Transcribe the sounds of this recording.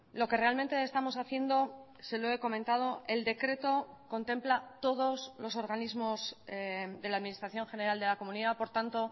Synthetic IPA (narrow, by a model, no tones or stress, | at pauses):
lo̞ke̞re̞alment̪eːst̪amo̞saθje̞nd̪o̞ | se̞loeko̞mẽnt̪að̞o̞ʔe̞ld̪e̞kɾe̞t̪o̞ko̞nt̪e̞mplat̪o̞ð̞o̞zlo̞so̞ɾɣanizmo̞z | d̪e̞laðminist̪ɾaθjo̞ŋxe̞neɾald̪e̞lako̞mũniðapo̞ɾt̪ant̪o̞